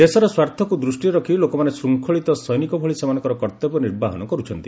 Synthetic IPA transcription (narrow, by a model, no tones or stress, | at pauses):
d̪esɔɾɔswaɾt̪ʰɔkud̪ɾusʈiɾɔkʰilokɔmanesɾuŋkʰɔɭit̪ɔsɔjnikɔbʱɔɭisemanɔŋkɔɾɔkɔɾt̪ebɔniɾbaɦɔnɔkɔɾut͡ʃʰɔnt̪i